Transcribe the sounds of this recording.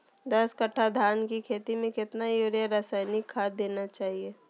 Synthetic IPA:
d̪ɐskɐʈʰːad̪ʱaːnkikʰeːt̪imẽkɪt̪najuːɾjaɾaːsaːɪnikʰːaːd̪eːnat͡ʃaːɦieː

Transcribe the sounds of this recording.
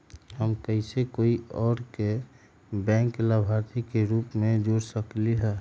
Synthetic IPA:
həmkəɪsekoːiɔːɾke | bɛ̃ːŋklabʱaɾt̪ʰikeɾuːpmẽd͡ʒoɽsəkliɦɛ

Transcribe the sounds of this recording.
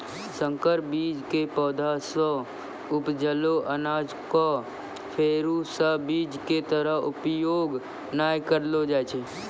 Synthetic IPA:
sə̃ŋkəɾbid͡ʒkepɔːd̪ʱasə̃ | ʊpd͡ʒəloʔənad͡ʒko | pʰeːɾusəbid͡ʒket̪əɾəɦʊpjoɡ | najkəɾlod͡ʒajt͡ʃʰe

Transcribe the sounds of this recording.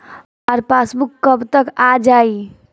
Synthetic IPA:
aɾpasbukːəbt̪əkad͡ʒai

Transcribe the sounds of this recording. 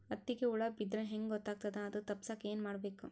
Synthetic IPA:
ɐt̪ːiɡeuɭɐbid̪ɾɐɦeŋɡɡɔt̪ːaːɡ̚t̪ɐd̪eɐd̪ut̪ɐpːsaːke̞ːnmaːɽbe̞ːku

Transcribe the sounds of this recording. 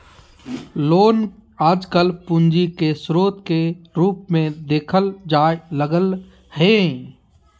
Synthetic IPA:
loːnaːd͡ʒkəlpʊ̃nd͡ʒikesɾoːt̪keɾuːpmẽd̪eːkʰəld͡ʒaːləɡəl | hẽ

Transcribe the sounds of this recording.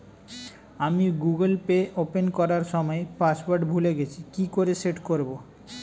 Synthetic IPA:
amiɡuɡelpeʔopenkɔɾaɾʃɔmɔepasbaɾɖbʱuleɡet͡ɕʰikikoɾeseʈkoɾbo

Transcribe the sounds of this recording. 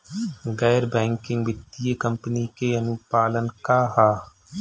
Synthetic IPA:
ɡɛːɾbɛ̃ːŋkɪ̃ŋɡʋɪt̪ːijəkɐ̃mpənikeɐnʊpaːlənkaɦaː

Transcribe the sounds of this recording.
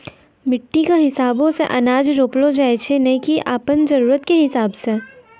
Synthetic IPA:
mɪʈːikaɦɪsaːbõsḛʔɐnaːd͡ʒɾoːplod͡ʒaːet͡ʃʰenɐɦikiʔaːpənzɐɾuːɾət̪keɦɪsaːbse

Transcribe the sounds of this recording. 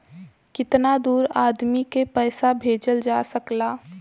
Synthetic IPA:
kɪt̪nad̪uːɾaːd̪mikepɛːsabʱeːd͡ʒəld͡ʒaːsəklaː

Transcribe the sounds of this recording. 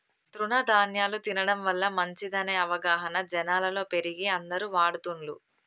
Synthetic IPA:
t̪ɾunɐd̪ʱaːnjaːlut̪inɐɽɐmʋɐlːɐmɐɲt͡ʃid̪ɐneɐʋɐɡaːɦɐnɐd͡ʒɛnaːlɐlo̞ːpe̞ɾiɡiɐnd̪ɐɾuʋaːɽut̪uɳlu

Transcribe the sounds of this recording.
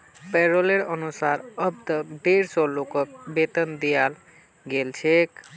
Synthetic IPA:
peɾoleɾənusaɾəbd̪əɖeɾsɔlokɔk̚bet̪ənd̪ijal | ɡelt͡ʃʰek

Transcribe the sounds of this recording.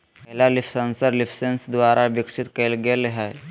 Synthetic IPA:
əɦlalifsə̃nsəɾlifʰsensd̪ʋaɾaʋiksit̪kəlɡelɦaj

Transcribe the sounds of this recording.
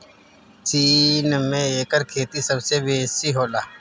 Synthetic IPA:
t͡ʃiːnmẽeːkəɾkʰeːt̪isəbseʋeːsiɦoːlaː

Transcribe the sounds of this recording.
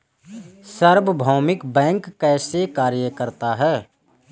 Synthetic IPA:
səɾbəbʱɔːmɪkbɛ̃ːŋkːɛːsekaːɾjəkəɾt̪aɦɛː

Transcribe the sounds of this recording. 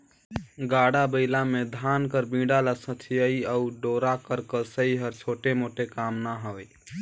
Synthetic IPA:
ɡaɽabəɪlamed̪ʱankəɾbĩɖalasə̃t͡ʃʰijəiəuɖoɾakəɾkəsəiɦəɾt͡ʃʰoʈemoʈekamnaɦəe

